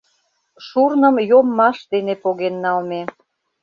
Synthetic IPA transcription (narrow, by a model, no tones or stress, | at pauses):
ʃurnə̆mjomːɑʃd̪enepoɣenːɑlme